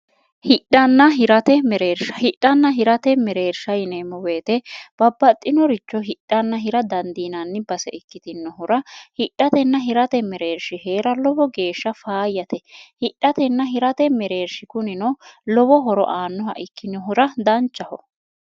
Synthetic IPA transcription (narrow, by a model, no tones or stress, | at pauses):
hɪɗɐnːɐɦɪɾɐt̪ɛmɛɾeːɾʃɐhɪɗːɐnːɐɦɪɾɐt̪ɛmɛɾeːɾʃɐjneːmːɔwe̞ːt̪ɛb̥ɐbːɐt̪ʼːɪnɔɾɪt͡ʃːɔɦɪᶑɐnːɐɦɪɾɐd̪ɐnd̪iːnɐnːɪbɐsɛ̰ʔɪkːɪt̪ɪnːɔɦʊɾɐhɪɗːɐt̪ɛnːɐɦɪɾɐt̪ɛmɛɾeːɾʃɪhe̞ːɾɐlɔbɔɡe̞ːʃːɐfaːjːɐt̪ɛhɪᶑːɐt̪ɛnːɐɦɪɾɐt̪ɛmɛɾe̞ːɾʃɪkʊnɪnɔlɔbɔɦɔɾɔ̰ʔaːnːɔhɐ̰ʔɪkːɪnːɔɦʊɾɐd̪ɐnt͡ʃːɐhɔ